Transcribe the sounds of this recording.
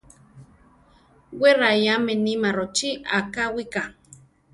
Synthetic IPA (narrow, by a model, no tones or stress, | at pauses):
weɾajamenimaɾot͡ʃia̰kawika